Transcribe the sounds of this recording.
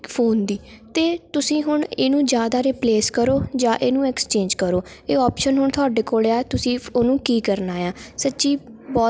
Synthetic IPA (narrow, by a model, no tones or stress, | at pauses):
pʰoːnd̪iːt̪eːt̪ʊsĩːɦʊɳeːnũːd͡ʒjaːd̪aːɾɪpleːskəɾoːd͡ʒãːʔeːnũːɛkst͡ʃẽːɲd͡ʒkəɾoː | eːɔːpʃənɦʊɳt̪ʰʊaːɖeːkoːleaːt̪ʊsĩːoːnũːkiːkəɾnaːjãːsətːʃiːbɔː